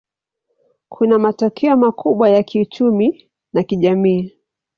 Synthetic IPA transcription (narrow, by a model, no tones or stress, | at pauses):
kʰunamatɔkʰɛɔmakʰuɓwajakʰiut͡ʃumi | nakiʄamiː